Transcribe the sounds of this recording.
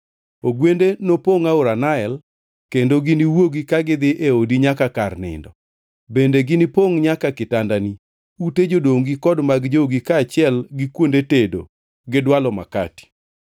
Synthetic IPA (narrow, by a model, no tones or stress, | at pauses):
oɡwendenopoŋaʊɾanaɛl | kendoɡɪniwoɡikaɡɪd̪ɪʔeodiɲakakarnɪ̰ndɔ | bendeɡɪnɪpoŋɲakakɪtandani | uted͡ʒodoŋɡikɔdmaɡd͡ʒoɡikaːt͡ʃɪɛlɡɪkwondetedo | ɡɪdwalɔma̰ka̰ti̥